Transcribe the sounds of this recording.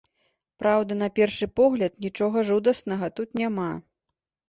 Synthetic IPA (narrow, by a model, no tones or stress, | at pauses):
pɾʔawd̪ɐnɐpʲɛrʂɨpɔɣlʲɐt̪̚nʲit͡ʂɔɣɐʐud̪ɐsnɐɣɐt̪ut̪nʲama